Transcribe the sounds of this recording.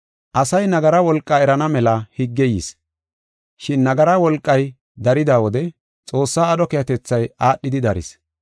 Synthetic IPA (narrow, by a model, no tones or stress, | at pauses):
ʔɐsɐjnɐɡɐɾɐwɔlkʼːaːɛɾɐnɐmɛlɐhɪɡːɛjḭs | ʃɪnːɐɡɐɾɐwɔlkʼːɐj | d̪ɐɾɪd̪aːwɔd̪ɛ | t͡sʼo̞ːsːaːd̪ɔkɛjɐt̪ɛt͡sːɐjaːɗːɪd̪ɪd̪ɐɾɪ̰s